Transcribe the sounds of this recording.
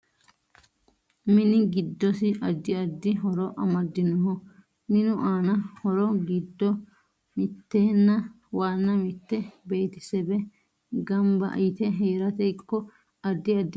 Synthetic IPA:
mɪnɪɡɪd̪ːɔsɪʔɐd̪ːɪɐd̪ːɪɦɔɾɔʔɐmɐd̪ːɪnʊɦɔ | mɪnʊʔaːnɐhɔɾɔɡɪd̪ːɔ | mɪt̪ːeːnːɐ | waːnːɐmɪt̪ːɛbeːt̪ɪ̥sɛbɛ | ɡɐmbɐ̰ʔɪt̪ɛɦeːɾɐt̪ɛkːɔ | ɐd̪ːɪɐd̪ː

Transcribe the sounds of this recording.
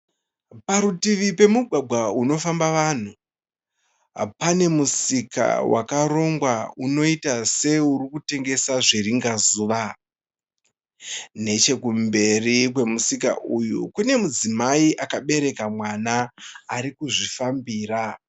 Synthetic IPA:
paɾutiʋipe̞muɡʱwaɡʱwauno̞fambaʋan̤u | pane̞musika̰wa̰kaɾo̞ŋɡwauno̞itase̞urikute̞ŋɡe̞saʐeriŋɡazuʋa | ne̞t͡ʃe̞kumbe̞rik̬we̞musika̰ʔujṵkune̞mud͡zimaiʔakaɓe̞ɾe̞kamwanaːɾikuʐifambiːra

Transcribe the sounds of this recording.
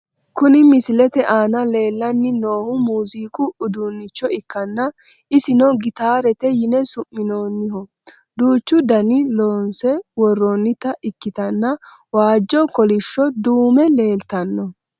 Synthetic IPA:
kʊnɪmɪsɪlɛt̪ɛʔaːnɐle̞ːlːɐnːɪno̞ːhʊmuːziːkʊʊd̪unːɪt͡ʃːɔɪkːɐnːɐ | ʔɪsɪnɔɡɪt̪aːɾɛt̪ɛjɪnɛsʊmːɪnoːnːɪhɔ | d̪uːt͡ʃːʊd̪ɐnɪloːnsɛwɔrːɔnːɪt̪ɐʔɪkːɪt̪ɐnːɐ | waːd͡ʒːɔkɔlɪʃːɔd̪uːmɛle̞ːlt̪ɐnːɔ

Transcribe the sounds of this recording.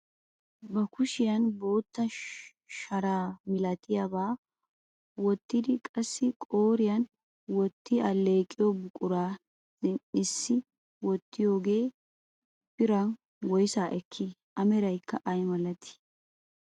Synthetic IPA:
bɐkʊʃɪjɐnbo̞ːt̪ːɐ | ʃɐɾaːmɪlɐt̪ʰɪjabaː | wɔt̪ːɪd̪ɪkʼɐsːɪkʼoːɾɪjɐn | wɔt̪ːɪɐlːeːkʼɪjɔbʊkʼʊɾḁː | ɪnɪsːɪ | wɔt̪ːɪjo̞ːɡe̞ː | pɪɾɐn | wɔjsaːʔɛkʰːɪʔɐmɛɾɐjkːɐʔɐjmɐlɐt̪ɪ̥

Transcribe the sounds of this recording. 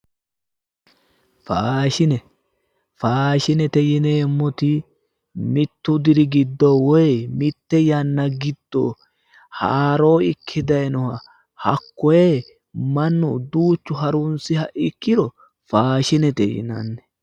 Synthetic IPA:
faːʃɪnɛ | faːʃɪnɛt̪ɛjɪneːmːɔt̪ɪ | mɪt̪ːʊd̪ɪɾɪɡɪd̪ːowɔjmɪt̪ːɛjɐnːɐɡɪd̪̥ːoː | ha̰ːɾo̞ːɪkʰːɪd̪ɐjnɔhɐ | hɐ̰kːɔjeː | mɐnːɔd̪uːt͡ʃːʊɦɐɾʊnsɪhɐʔɪkːɪɾɔ | faːʃɪnɛt̪ɛ̰jɪ̰nɐ̰nːɛ

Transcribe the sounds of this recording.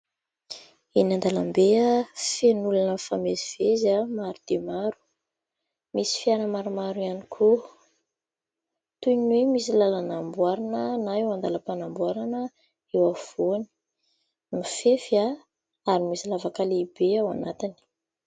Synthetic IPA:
inand̪alambeəfenulanəfameziv̥ezamaɾud̪̥emaɾu̥ | misi̥fianəmaɾumaɾuianikʰu | t̪uinwemisilalanambuaɾanənaewand̪alapanambuaɾanə | ewav̥oni̥ | nifefia | aɾimisilavakalibeawanat̪ini̥

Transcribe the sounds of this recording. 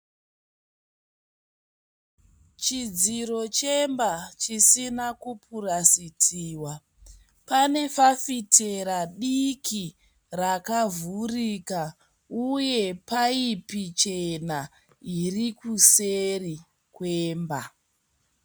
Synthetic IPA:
t͡ʃid͡ziɾo̞t͡ʃe̞mbat͡ʃisinakupurasitʰiːwa | pane̞fafitʰe̞ɾaɗikʰi | rakavurika | uje̞paipit͡ʃe̞na | irikuseri | kweːmba

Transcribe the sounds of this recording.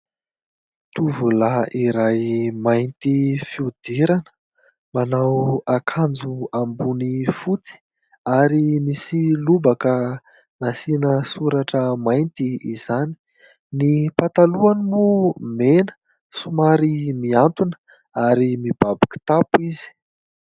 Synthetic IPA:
t̪uvulaiɾajmajnt̪ifiud̪̥eɾanə̥ | manawakʰand͡zuambunifut͡s̪i̥ | aɾimisilubakə | nasinəsuɾaʈ͡ʂəmajnt̪iizani̥ | nipat̪aluanimumenə̥ | sumaɾimiant̪unə̥ | aɾimib̥abaki̥t̪apuizi̥

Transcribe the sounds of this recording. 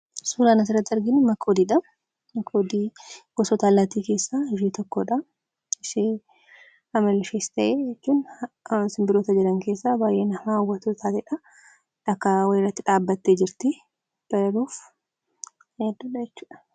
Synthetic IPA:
suːlaːnɐs̬ɪrːɐt̪ːɐɾɡɪnʊmɐkʰːod̪iːᶑɐ | mɐkʰːoːd̪iːɡ̥ɔsɔt̪aːlaːt̪iːke̞ːsːaɪʒiːt̪ɔkːo̰ᶑɐ | ɪʃɪ | ɐmɐlɪfeːst̪ɐʔeːd͡ʒɛt͡ʃːuːn | sɪmbɪɾoːt̪ɐd͡ʒɛɾɐŋke̞ːsːaːbaːjʔeːnɐmawːɐt̪ot̪ʰaːt̪ɛᶑɐ | ᶑɐkːɐwɐɪrɐt̪ːɪᶑaːbːɐt̪ːeːd͡ʒɪɾt̪ɪ | b̥ɐlɐluːf | ɛd̪ʊᶑɐd͡ʒɛt͡ʃːu̥ːᶑɐ̥

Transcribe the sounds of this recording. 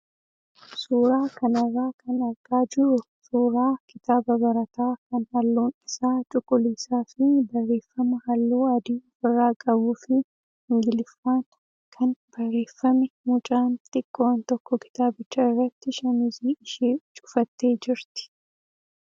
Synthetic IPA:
suːɾaːkɐnɐrːaːkɐnɐɾɡaːd͡ʒɪɾʊ | suːɾaːkɪt̪aːbɐbɐɾɐt̪aːkɐnhɐlːoːnɪsaːt͡ʃʼʊkʼːʊliːsaːfɪbɐrːe̞ːfːɐmɐhɐlːoːɐd̪iːɔfɪrːaːkʼɐbuːfɪ | hɪŋɡɪlɪfːaːn | kʰɐnb̥ɐrːe̞ːfːɐmɪmʊt͡ʃʼaːnt̪ʼɪkʼːoːnt̪ɔkːɔkɪ̥t̪aːbɪt͡ʃːɐɪrːɐt̪ːɪʃɐnɪziːɪʃiːt͡ʃʼʊ̥fɐt̪ːe̞ːd͡ʒɪɾt̪ɪ̥

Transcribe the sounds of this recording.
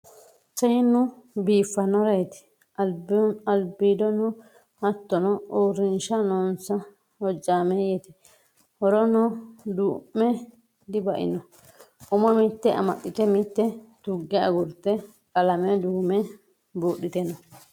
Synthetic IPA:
sɐjɪnʊbiːfːɐnɔɾɛjt̪ɪ̥ | ɐbɐlbiːd̪ɔnɔ | hɐt̪ːɔnɔoːɾɪnʃɐnɔːnsɐ | hɔd͡ʒaːmejɛt̪ɪ̥ | hɔɾɔnɔd̪uːmːɛ | d̪ɪbɐʔɪ̰nɔ | ʔʊmɔmɪt̪ːɛʔɐ̰mɐɗːɪt̪ɛmɪt̪ːɛt̪ʊɡːɛɐ̰ɡʊɾt̪ːɛ | kʼɐlɐmɛd̪uːmɛ | buːɗːɪt̪ɛnɔ

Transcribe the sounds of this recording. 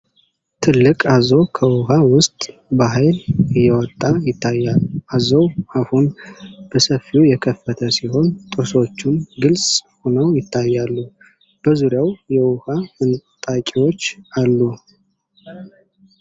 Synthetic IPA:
t̪ʰɨlːɨkʼazowkʰəwʊhawʊst̪ʼbaɦajlɨjːɛwɔt̪ʼːajɪt̪ʰːajːalːazowahunb̥əsəfːiujɛkʰəfːət̪ʰəsiho̞nt̪ʼɨso̞t͡ʃːumɡɨlsʼhonəwjɪt̪ʰːajːalːu | b̥əzuɾjawjɛwʊhaɨnt̪ʼakʼiwot͡ʃːalːu

